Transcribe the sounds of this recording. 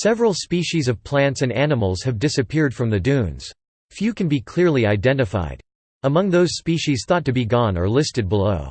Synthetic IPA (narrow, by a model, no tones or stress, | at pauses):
sɛvɹl̩ˠspiʃizʌv̥pʰl̥æ̃ntsɨ̃nænəml̩ˠz̥ɨvdɪsɨpʰɪɹd̥fɹʌ̃mðɨdʉ̃nz̥ | fjʉkɨ̃nbikʰl̥ɪɹliaɪdɛ̃ntɨfa̰ɪd | əmʌ̃ŋðoʊz̥spiʃiz̥θɔtɨbiɡɔ̃nə̰˞lɪstɨd̚bəloʊ